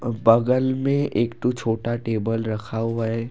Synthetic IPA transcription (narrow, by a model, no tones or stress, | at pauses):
bɐɡəlmẽeːkt̪ot͡ʃʰoːʈaʈeːbəlɾɐkʰaɦuaɛ